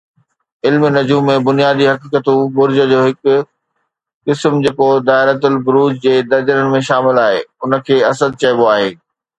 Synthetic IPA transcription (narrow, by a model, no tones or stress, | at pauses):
ɪlmnɐd͡ʑuːmːẽbʊnijaːd̪iɦɐkiːkət̪ũbʊɾd͡ʑə̆d͡ʑoːɦɪkʊ̆ | kɪsmd͡ʑeːkod̪aːɪɾət̪ʊlbʊɾuːd͡ʑd͡ʑeːd̪ɐɾd͡ʑəɾənɪ̆mẽʃaːmɪlaːɦeːʊnə̆kʰeːɐsəd̪̚t͡ɕɐɪboaːɦeː